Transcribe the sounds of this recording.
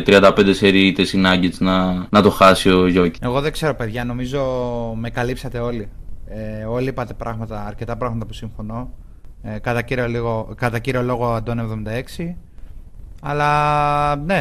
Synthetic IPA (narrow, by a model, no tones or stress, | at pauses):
t̪ɾiɐnd̪ɐpend̪eseɾit̪esinɐɲɟit͡snɐnɐt̪o̞xɐsio̞ʝo̞cie̞ɣo̞ðe̞ɡ̥se̞ɾo̞pe̞ðʝɐno̞mizo̞me̞kɐlipsɐt̪e̞o̞lieo̞liipɐt̪e̞pɾʔɐɣmɐt̪ɐːɾce̞t̪ɐpɾɐɣmɐt̪ɐpusiɱfo̞no̞ | kɐt̪ɐciɾioliɣokɐt̪ɐciɾio̞lo̞ɣo̞ɐnd̪o̞ne̞vðo̞mind̪ɐe̞ksi | ɐlɐ | ne̞